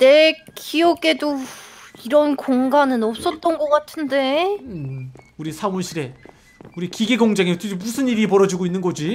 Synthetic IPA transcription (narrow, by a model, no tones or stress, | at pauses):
ne̞kiʌɡe̞doiɾʌnkoŋɡanɯnʌp̚s͈ʌt͈ʌnɡʌk͈atʰɯnde̞ | uɾisʰamuɕʰiɾe̞ | uɾikiɡeɡoŋd͡ʑaŋet͈ʰɯemusʰɯniɾipʌɾʌd͡ʑiɡoinːɯnɡʌd͡ʑi